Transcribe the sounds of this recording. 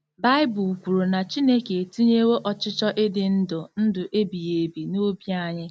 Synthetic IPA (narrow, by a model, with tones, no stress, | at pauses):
ba˦ɪ˦bʊ˨u˨kʷu˨ɾu˨na˨t͡ʃi˦ne˦ke˨tu˦ɲe˦we˦ʔɔ˨t͡ʃɪ˦t͡ʃɔ˦ʔe˦dɪ˨n̩˦dʊ˨n̩˦dʊ˨ʔe˦bi˨je˨bi˨no˦bja˦˨ɲɪ˦